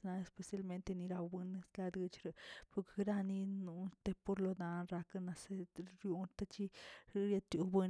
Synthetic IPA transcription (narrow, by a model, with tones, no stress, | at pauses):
na˧e˧spe˨sja˦lme˦nt̪e˧ni˧ɾa˧bbe˧ne˧sla˧d̪ɨ˧t͡ʃɾe˨pu˧ke̥˧ɡɾa˦ni˦˧nu˧nt̪e˧po˧ɾlo˧d̪a˧nɾa˧ka˦na˧se˧ɾju˧nt̪a˦t͡ʃi˦ɾɾja˧t̪ju˨˧be˧